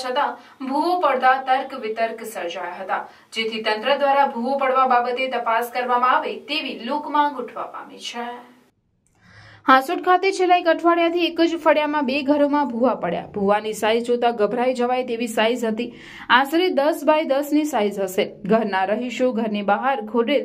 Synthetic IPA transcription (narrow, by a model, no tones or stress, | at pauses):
t͡ʃʰət̪ã | bʱuʋopəɽt̪at̪əɾkʋɪt̪əɾksəɾd͡ʒajaɦət̪a̰ | d͡ʒet̪ʰit̪ənt̪ɾəd̪ʋaɾabʱuʋopəɽʋababət̪et̪əpaskəɾʋamãaʋet̪eʋilokmãɡuʈʰʋa̰pa̰mit͡ʃʰe | hãsuʈkʰat̪et͡ʃʰelːaikəʈʰʋaɽjat̪ʰiekəd͡ʒfəɽjamãbeɡʱəɾomãbʱuʋapəɽja̰bʱuʋanisajzt͡ʃot̪aɡəbʱɾajd͡ʒəʋajt̪eʋisajzɦət̪i | ãsɾid̪əsbajd̪əsnisaizɦəʃeɡʱəɾnaɾəɦiʃoɡʱəɾnibaɦaɾkʰoɖel